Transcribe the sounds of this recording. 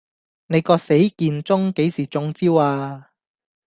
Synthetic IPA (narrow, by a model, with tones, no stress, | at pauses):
ne˨˧jkɔː˧se˨˥jkiː˧nt͡sʊ˥ŋke˨˥jsiː˨˩t͡sʊ˧ŋt͡siː˥waː˧